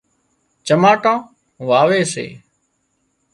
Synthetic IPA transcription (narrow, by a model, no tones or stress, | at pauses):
t͡ʃəmaːʈãː | ʋaːʋeːsḛː